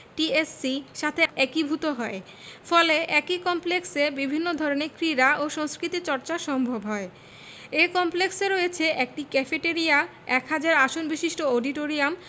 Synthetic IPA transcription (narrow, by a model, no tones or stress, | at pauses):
ʈiesːiʃat̪ʰeɛkibʱut̪oɦɔe | fɔleɛkikɔmpleksebibʱinːod̪ʱɔɾonekɾiɾaʔoʃɔŋskɾit̪it͡ɕɔɾt͡ɕaʃɔmbʱobɦɔe | ekɔmplekseɾojet͡ɕʰeʔɛk̚ʈikɛfeʈeɾia | ɛkɦad͡ʑaɾaʃonbiʃiʃʈooɖiʈoɾiam